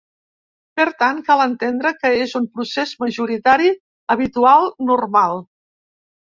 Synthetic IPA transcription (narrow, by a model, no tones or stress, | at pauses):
pəɾt̪aŋkalənt̪end̪ɾəkəezumpɾusezməʒuɾit̪aɾi | əβ̞it̪ualˠnurmalˠ